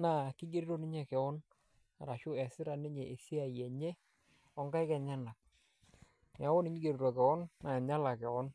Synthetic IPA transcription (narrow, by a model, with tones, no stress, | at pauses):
na˦˨kɪ˦ɡe˦ɾi˦ɾo˦nɪ˦ɲɛ˨kɛ˨ɔ˦n | a˨ɾa˨ʃʊ˦ɛ˨sɪ˦ɾa˨nɪ˦ɲɛ˨ʔe˨si˦a˨jɛ˨ɲɛ˦ | ɔ˦ŋɡa˦ɪ˦kɛ˨ɲa˦na˨k̚ | a˨˦wɔ˦nɪ˦ɲi˦ɡe˨ɾi˨ɾa˨kɛ˨ɔ˦nːa˨ɲa˦la˨kɛ˨ɔ˦n